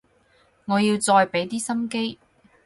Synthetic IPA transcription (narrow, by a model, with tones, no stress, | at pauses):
ŋɔː˨˧ji˧wt͡sɔː˧jpe˨˥jt̪iː˥sɐ˥mke˥j